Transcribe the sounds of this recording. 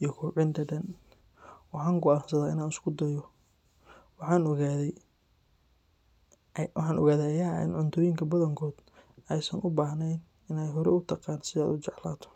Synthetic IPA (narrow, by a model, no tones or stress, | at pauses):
ijɔkʰʊːʕɪnt̪ʰɐɖɐn | wɑħɑːŋɡʊaːnsɐðaːɪnaːnɪskʰʊd̪ɐjɔ | wħɑːnɣaðɛ | wɑħɑːnʔɔ̰ɣaːðɛɐja̰ːɪ̰nʕʊnt̪ʰɔːjɪŋkʰɐbɐðɐŋkʰɔːd̪̥ɛjsɐnʔʊbaːɦnɛjn | ɪnaːjɦɔɾɛ̰ʊt̪ʰɐqɑːnsɪðɛa̰ːd̪ʊt͡ʃɛʕlaːt̪ʰɔ̥